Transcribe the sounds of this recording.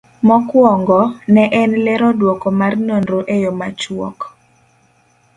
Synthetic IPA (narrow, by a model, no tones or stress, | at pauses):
mɔkwɔŋɡɔnɛʔɛnlɛɾɔdwɔkɔmarnondɾoʔejɔmat͡ʃwɔ̰k